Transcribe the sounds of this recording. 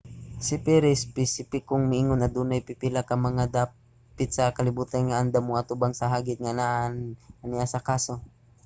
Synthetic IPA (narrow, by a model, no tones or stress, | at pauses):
sɪpɛɾɛɪspɛsipɪkoŋmɪʔiːŋonɐd̪uːnajpɪpɪlakɐmɐŋad̪aː | pɪt̪sɐkɐlɪbuːt̪anŋaʔand̪amoŋʔɐt̪ubaŋsɐɦaːɡɪt̪̚ŋanaʔnɐnɪʔasɐkaːso̞